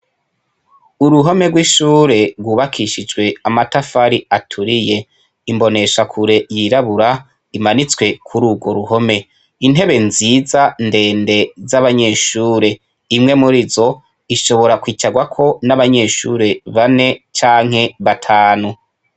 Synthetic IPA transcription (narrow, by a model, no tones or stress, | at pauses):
uɾuɦo̞meɡwiʃuːɾe̞ɾɡwuːβakʰiʃid͡ʒɡwe̞amatafaɾiatʰuɾije̞ | imbo̞ne̞ʃakʰuɾe̞jiɾaβuɾa | imanit͡swe̞kʰuɾuːbɡwo̞ɾuɦo̞me̞ | in̥ɦe̞βe̞nziːzande̞ːnde̞zaβaɲe̞ːʃuːɾe̞ | imŋe̞muɾizo̞ | iʃo̞βo̞ɾakwiːt͡ʃaɡwakʰo̞naβaɲe̞ːʃuːɾe̞βane̞t͡ʃaːŋ̥he̞βatʰaːnu